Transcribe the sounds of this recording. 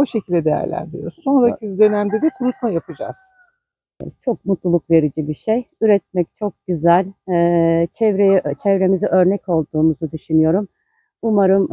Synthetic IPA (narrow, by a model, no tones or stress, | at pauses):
oʃecʰilʲd̪ɛd̪e̞jæ̰ɾlʲæ̰nd̪iɾjoɾuzso̞nɾacʰiizd̪ø̞næmd̪ɛd̪ɛt̪ʰuɾut̪̚majapʰɯd͡ʒa̰z̥̰ | t͡ʃʰo̞k̚mut̪lˠulˠuk̚ve̞ɾid͡ʒibiʃejyɾɛt̪̚mɛc̚t͡ʃʰo̞k̚ɟyzælʲɛːt͡ʃʰɛvɾejɛt͡ʃʰɛvɾe̞miziʔø̞ɾnɛco̞lˠd̪uːmuzud̪yʃynyjo̞ɾum | umaɾɯm